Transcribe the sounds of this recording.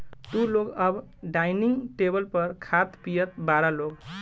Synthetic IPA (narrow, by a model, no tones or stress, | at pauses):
t̪uloɡʌbɖajniŋʈebəlpəɾkʰat̪pijət̪baɾaloɡ